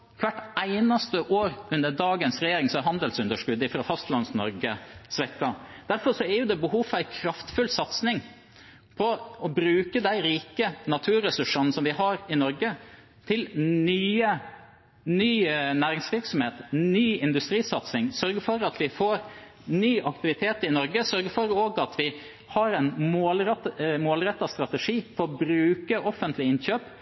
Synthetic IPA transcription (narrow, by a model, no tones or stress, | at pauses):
kʰʋæʈːæɪnɑst̪əʔoːɾʉnd̪əɖɑːɡənsɾɛjeːɾɪŋsɔæɾɦɑnd̪əlsʉnd̪əʂkʉd̪ɪfɾɑfɑst̪lɑnsnɔ̰ɾɡəsʋɛkk̪ɑd̪̥æɾfɔɾsɔæɾjʊd̪ɛbəhuːfɑæɪkʰɾɑft̪fʉlsɑt̪snɪŋ | pʰɔɔbɾʉːkəd̪æɪɾiːkənɑt̪ʰʉːɾɛsʉʂənsɔmʋɪhɑɾɪnɔɾɡə | t̪ʰɪlnyːə | nyːnæːɾɪŋsʋɪɾksɔmheːt̪nyːɪnd̪ʉst̪ɾiːsɑt̪snɪŋsœɾɡəfɔɾɑt̪ʋɪfoːɾ | nyːʔɑkt̪ɪʋɪt̪ʰeːt̪ɪnɔɾɡəsœɾɡəfɔɾoːɡɑt̪ʰʋɪ | hɑɾɛnmoːlɾɛt̪moːlɾɛt̪ːɑst̪ɾɑt̪ɛʂiːfɔɔbɾʉːkəʔɔfːənt̪lɪɪnçøːp